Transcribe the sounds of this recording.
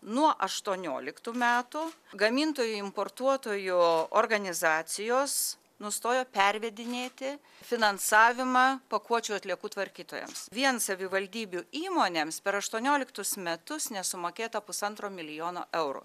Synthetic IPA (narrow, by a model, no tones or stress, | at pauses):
nuɔʔɐʃt̪uɔnʲo̰ːlʲɪkt̪uːmʲæːt̪ʊɡɐmʲint̪oːjʊɪmpoːrt̪uɔt̪oːjʊorɡɐnʲɪzɑːt̪sʲɪjoːs | nʊst̪oːjoːpʲɛɾʲʋʲɛd̪ʲɪnʲeːt̪ʲɪ | fʲɪnɐnsɑːʋʲɪmɑːpɐkuɔt͡ʃʲʊɐt̪ʲlʲiɛkuːt̪ʋɐɾʲkʲiːt̪oːjɛ̰msʋʲiɛnsɐʋʲɪʋɐlʲd̪ʲiːbʲuiːmoːnʲeːmspʲɛɾɐʃt̪uɔnʲoːlʲɪkt̪ʊsmʲɛt̪ʊsnʲɛsʊmoːkʲeːt̪ɐpʊsɐnt̪ɾoːmʲɪlʲɪjoːno̰ːʔɛʊɾʊ̰